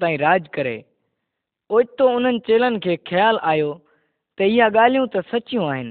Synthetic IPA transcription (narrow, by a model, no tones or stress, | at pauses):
t̪aːĩɾaːd͡ʑkɐɾḛː | oːt͡ʃt̪oʊn̤ənɪ̆t͡ɕeːlənɪ̆kʰeːxɐjaːlaːjo | t̪ɐɪɦaɠaːl̤ijũt̪ɐsɐt͡ɕijũaːɦɪnɪ̆